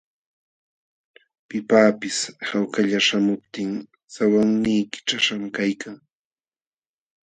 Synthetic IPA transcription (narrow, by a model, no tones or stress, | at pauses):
pɪpaːpɪshawkaʎaʃamʊpt̪ɪŋ | sawaŋnijkɪ̥ʈ͡ʂaʃamkajkʰaŋ